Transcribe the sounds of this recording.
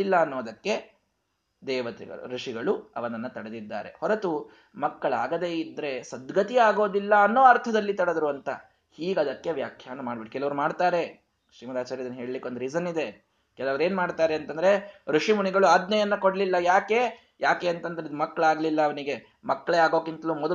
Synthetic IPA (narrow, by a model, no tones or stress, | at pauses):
ilːɐːnːoːɐd̪ɐkːe̞ | d̪ɛːʋɐt̪ḭɡɐ̰ɭṵɾuʂiɡɐɭuɐ̰ʋɐnɐnːɐt̪ɐɽed̪id̪ːa̰ːɾe̞̰hɔɾet̪u | mɐkːɐɭaːɡɐd̪e̞ːid̪ːɾe̞sɐd̪ɡɐt̪iaːɡo̞ːd̪ilːɐːnːoːɐɾt̪ʰɐd̪ɐlːit̪ɐɽed̪ɐɾuɐnt̪ɐ | hiːɡɐd̪ɐkːe̞ʋjaːkʰjaːnɐmaːɖbiʈiukɛlɐʋɐɾumaːɖt̪aːɾe̞ | ʃɾiːmɐd̪aːt͡ʃaːɾjɐd̪ɐnːɐɦe̞ːɭlikːeond̪ɾid͡ʒɐnːid̪e | kɛlɐʋɐɾe̞ːnmaːɖt̪aːɾeɐnt̪ɐnd̪ɐɾe̞ɾuʂimuɳiɡɐɭuaːd̪nɐjɐnːɐkoɽɐlilːɐjaːke̞ | jaːke̞ːɐnt̪ɐnd̪ɐɾeid̪umɐkːɐɭaːɡlilːɐːʋɐniɡe̞ | mɐkːɐɭeaːɡoːkint̪ɐlumɔd̪ɐ